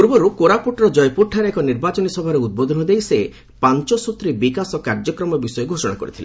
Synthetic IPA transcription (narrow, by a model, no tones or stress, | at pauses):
puɾbɔɾukoɾapuʈɾɔd͡ʒɔjpuʈʰaɾeekɔniɾbat͡ʃɔnisɔbʱɔɾeud̪̚bod̪ʱɔnɔd̪ejse | pant͡ʃɔsut̪ɾibikasɔkaɾd͡ʒɔkɾɔmɔbisɔjeɡʱosɔɽ̃akɔ̰ɾḭt̪ʰilḛ